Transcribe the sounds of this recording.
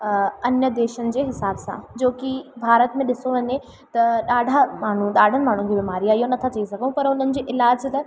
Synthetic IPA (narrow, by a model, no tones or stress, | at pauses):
ɐnjəd̪eːʃənɪ̆d͡ʑeːɦɪsaːbsã̰d͡ʑoːkibʱaːɾət̪mẽɗɪsoʋɐɲe | t̪ɐɗaːɖʱamaːɳ̤ũɗaːɖʱənɪ̆maːɳ̤ũkʰiːbimaːɾiaːɦijonɐt̪ʰat͡ɕɐisɐɡʱəũpɐɾʊn̤ənɪ̆d͡ʑeːʔɪlaːd͡ʑt̪ɐ